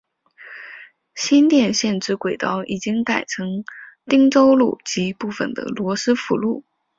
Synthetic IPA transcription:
ɕi˥nt̪jɛ˥˧nɕjɛ˥˧nʈ͡ʂɻ̩˥kwe˨˩ɪt̪ɑ˥ʊʔi˨˩t͡ɕi˥ŋka˨˩ɪʈ͡ʂʰɤ˧˥ŋt̪i˥ŋʈ͡ʂo˥ʊlṵ˥˩t͡ɕi˧˥˧pu˥˩fə̰˨˩nd̪ə̰˩lwɔ˧˥sɹ̩˥fṵ˧˥lu˥˩

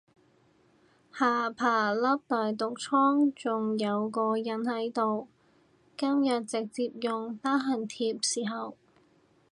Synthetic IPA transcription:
haː˨˩pʰaː˨˩lɐ˥p̚t̪aː˨˩jt̪ʊ˨k̚t͡sʰɔː˥ŋt͡sʊ˨ŋjɐ˨˧wkɔː˧jɐ˨˥nhɐ˨˥jt̪o˨w | kɐ˥mjɐ˨t̚t͡sɪ˨k̚t͡siː˧p̚jʊ˨ŋt̪aː˥ɦɐ˨˩nt̪ʰiː˧p̚siː˨˩ɦɐ˨w

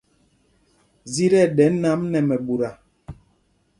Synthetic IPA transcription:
zi˦ɾɛ˦˨ɗɛ˨˦n˦na˨˦mnɛ˨mɛ˨ɓu˨ɾa˨

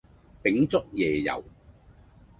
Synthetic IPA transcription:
pɪ˨˥ŋt͡sʊ˥k̚jɛː˨˩jɐ̰˨˩w

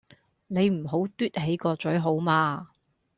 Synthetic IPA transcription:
ne˨˧jm̩˨˩ɦo˨˥wt̪yː˥t̚ɦe˨˥jkɔː˧t͡sɵ˨˥ɦo˨˥wmaː˧

